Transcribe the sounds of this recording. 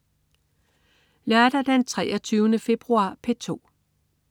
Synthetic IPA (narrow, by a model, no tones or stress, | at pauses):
læɐd̥ɐd̥ent͡sʰʁɛ̰ːɐt͡sʰyːʊnəfe̝b̥ʁuɑ̰̈ːpʰet͡sʰo̝̰ː